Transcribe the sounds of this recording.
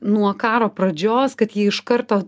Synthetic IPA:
nuɔkɑːɾoːpɾɐd͡ʒʲoːskɐt̪jiːɪʃkɐɾt̪oː

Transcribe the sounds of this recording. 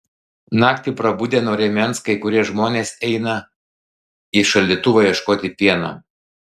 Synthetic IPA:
nɑːkt̪ʲiːˑpɾɐbud̪ʲeːnoːɾʲɛmʲɛnskɐɪkʊɾʲiɛʒmoːnʲeːsɛɪnɐ | ɪʃɐlʲdʲit̪ʊʋɐjiɛʃkoːt̪ʲɪpʲiɛnɐ̰

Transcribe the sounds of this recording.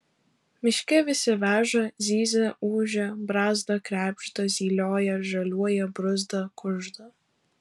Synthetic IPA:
mʲɪʃʲkʲɛʋʲɪsʲɪʋʲæːʒɐzʲiːzʲɛuːʒʲɛbɾɑːzd̪ɐkɾʲæːpʲʃt̪ɐzʲiːlʲoːjɛʒɐlʲuɔjɛbɾʊzd̪ɐkʊʒd̪ɐ

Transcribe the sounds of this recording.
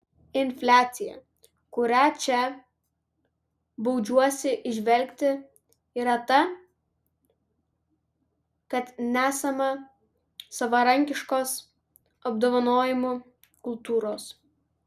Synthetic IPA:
ɪnʲfʲlʲæːt̪sʲɪjɛ̰ | kʊɾʲæt͡ʃʲɛ | bɐʊd͡ʒʲuɔsʲɪʔɪʒʲʋʲɛlʲkʲt̪ʲɪ | iːɾɐt̪ɐ | kɐt̪nʲæːsɐmɐ | sɐʋɐɾɐŋʲkʲɪʃkoːs | ɐbd̪oːʋɐnoːjɪmu | kʊlˠt̪uːɾoːs

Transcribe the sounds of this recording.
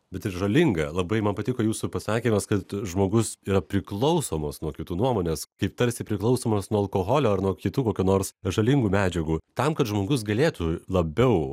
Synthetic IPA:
bʲɛt̪ɪɾʒɐlʲɪŋɡɐlˠɐbɐɪmɐnpɐt̪ʲɪkoːjuːsʊpɐsɑːkʲiːmɐskɐt̪ʒmoːɡʊsiːɾɐpʲɾʲɪklˠɐʊsoːmoːsnuɔkʲɪt̪uːnuɔmoːnʲeːskɐɪp̚t̪ɐɾʲsʲɪpʲɾʲɪklˠɐʊsoːmɐsnuɔɐlˠkoːɣoːlʲoːɐrnuɔkʲɪt̪uːkoːkʲuːnoːɾsʒɐlʲɪŋɡuːmʲæːd͡ʒʲɛɡuːt̪ɐmkɐtʒmoːɡʊs̬ɡɐlʲeːt̪ulˠɐbʲɛʊ

